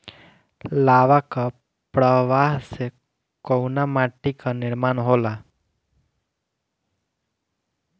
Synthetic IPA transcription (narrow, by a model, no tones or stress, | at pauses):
laːʋaka | pɾəʋaːɦse | kɔwnamaʈikanɪɾmaːnɦoːla